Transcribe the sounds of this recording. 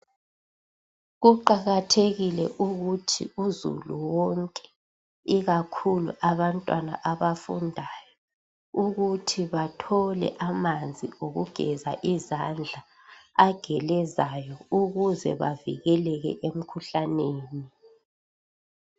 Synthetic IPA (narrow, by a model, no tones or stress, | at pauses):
ɣuǃaɣatʰeɣilɛ̰ʔuɣutʰḭuzṵluwɔŋkʼɛ̥ | iɣakʰulṵʔaβantʼwana̰ʔaβafṵndʱaːjɔ | uɣutʰiβatʰɔlɛ̰ʔamand͡zʱioɣuɡ̥ʱɛ̰za̰ʔizand͡ɮʱa | aɡ̥ʱɛlɛzajɔuɣuzɛ̰βa̰vḭɣɛlɛɣɛ̰ʔem̩kʰuɬaneːni